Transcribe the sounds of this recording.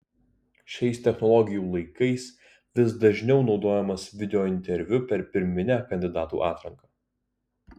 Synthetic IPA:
ʃʲɛɪst̪ʲɛxnɔlˠɔɡʲɪjuːlˠɐɪkɐɪs | ʋʲɪsd̪ɐʒʲnʲɛʊnɒʊd̪oːjɛmɐsʋʲɪd̪ʲɛoːɪnʲt̪ʲɛɾʲʋʲʊpʲɛɾpʲɪɾʲmʲɪnʲæːkɐnʲd̪ʲɪd̪ɑːt̪ṵːʔɑːt̪ɾɐŋkɑː

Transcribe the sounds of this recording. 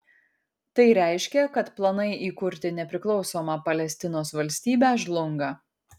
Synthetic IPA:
t̪ɐɪɾʲæˑɪʃʲkʲɛkɐt̪plˠɐnɐɪʔiːkʊɾʲt̪ʲɪnʲɛpʲɾʲɪklˠɒʊsoːmɑpɐlʲɛsʲt̪ʲɪnoːsʋɐlʲsʲt̪ʲiːbʲæʒlˠʊŋɡɐ

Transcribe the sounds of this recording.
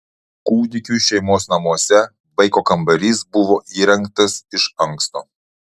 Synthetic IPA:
kuːd̪ʲɪkʲuːˑʃʲɛɪmoːsnɐmuɔsʲɛ | bɐɪkoːkɐmbɐɾʲiːsbʊʋoːʔiːɾʲɛŋk̚t̪ɐsɪʃɐŋkst̪oː

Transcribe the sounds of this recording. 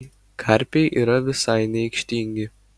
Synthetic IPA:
kʰɑˑɾʲpʲɛɪʔiːɾɐʋʲɪsɐɪnʲɛɪkʃʲt̪ʲiːŋʲɡʲɪ

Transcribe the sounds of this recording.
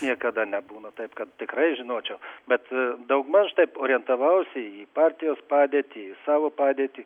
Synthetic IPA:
nʲiɛkɐd̪ɐnʲɛbuːnɐt̪ɐɪpkɐt̪t̪ʲɪkɾɐɪʒʲɪnoːt͡ʃʲɛʊbʲɛt̪d̪ɐʊɡmɐʃt̪ɐɪpoːɾʲɪjɛnt̪ɐʋɐʊsʲɪipɑːɾʲt̪ʲɪjoːspɑːd̪ʲeːt̪ʲiːisɑːʋoːpɑːd̪ʲeːt̪ʲiː

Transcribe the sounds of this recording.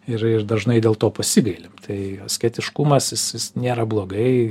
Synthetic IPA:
ɪɾɪrd̪ɐʒnɐɪdʲeːlˠt̪oːpɐsʲɪɡɐɪlʲɪmt̪ʰɐɪɐsʲkʲɛt̪ʲɪʃkumɐsjɪsjɪsnʲeːɾɐblˠoːɡɐɪ

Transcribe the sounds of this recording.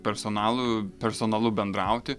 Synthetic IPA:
pʲɛɾsoːnɑːlˠʊpʲɛɾsoːnɐlˠʊbʲɛnd̪ɾɑˑʊt̪ʲɪ

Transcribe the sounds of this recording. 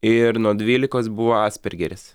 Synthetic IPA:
ɪɾnuɔd̪ʲʋʲiːlʲɪkoːsbʊʋoːɑːsʲpʲɛɾʲɡʲɛɾʲɪs

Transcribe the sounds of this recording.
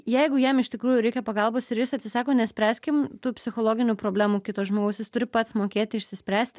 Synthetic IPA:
jɛɪɡʊjɛmɪʃʲt̪ʲɪkɾuːjʊɾʲɛɪkʲɛpɐɡɐlˠboːsɪɾjɪsɐt̪ʲsʲɪsɑːkoːnʲɛsʲpʲɾʲæːsʲkʲɪmt̪uːpʲsʲɪxoːlˠoːɡʲɪnʲupɾoːbʲlʲæːmuːkʲɪt̪oːsʒmoːɡɐʊsʲjɪst̪ʊɾʲɪpɐt̪smoːkʲeːt̪ʲɪɪʃʲsʲɪsʲpʲɾʲæːsʲt̪ʲɪ

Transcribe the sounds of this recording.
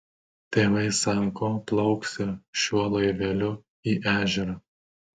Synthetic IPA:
t̪ʲeːʋɐɪsɑˑŋkoːplˠɐʊksʲɪʃʲuɔlˠojʋʲeːlʲʊ | iːʔæːʒʲɛɾɐ

